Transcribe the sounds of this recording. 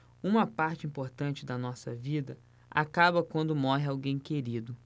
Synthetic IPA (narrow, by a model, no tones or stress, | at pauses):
ũmɐpaɾt͡ʃɪĩpoɾt̪ɐ̃nt͡ʃɪd̪ɐnɔsɐ̰vid̪ɐ | a̰kabɐkwɐ̃nd̪ʊmɔɦɪawɡẽj̃keɾid̪ʊ